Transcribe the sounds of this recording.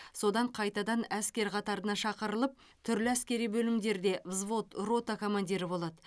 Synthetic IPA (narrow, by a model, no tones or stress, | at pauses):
so̞d̪ɑɴqʰɑjt̪ɑd̪ɑnæskʲe̞ɾqʰɑt̪ɑɾənɑʃɑqəɾəlˠəp̚ | t̪ʰʏɾlɪæskʲe̞ɾijbɵlɪmd̪e̞ɾd̪e̞vzvo̞t̪ro̞t̪ako̞mɑnd̪iɾɪbo̞lˠɑd̪ə